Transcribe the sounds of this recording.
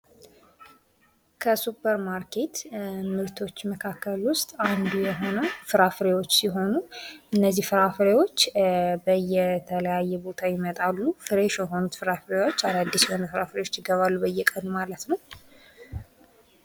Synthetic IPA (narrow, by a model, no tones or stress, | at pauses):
kʰəsupʰəɾmaɾkʰe̞t̪mɨɾt̪ʰo̞t͡ʃːməkʰakːəlwʊst̪ʼand̪ujɛɦo̞nəfɨɾafɨɾewo̞t͡ʃːsiɦo̞nuʔɨnːəzːihfɨɾafɨɾewo̞t͡ʃːbəjɛt̪ʰələjajːɛbo̞t̪ʰajɪmət̪ʼalːufɨɾeʃjɛɦo̞nut̪fɨɾafɨɾewot͡ʃːaɾad̪ːisjɛho̞nəfɨɾafɾewot͡ʃːjɪɡəβalːubəjːɛkʼənumalət̪nəw